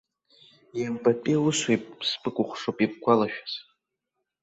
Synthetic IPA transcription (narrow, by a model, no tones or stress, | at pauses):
jambʼapʼiuswejpʼspʼɨkʷʼʊχʷʂopʼip̚kʷalaʃᶣḁz̥